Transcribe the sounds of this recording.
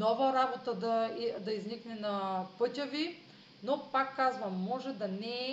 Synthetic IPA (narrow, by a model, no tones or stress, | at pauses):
ɔvɐɾabot̪ad̪ɐid̪ɐizniknɛnɐpɤt̪ʲavi | nopakːazvɐmːɔʒɛd̪ɐnɛ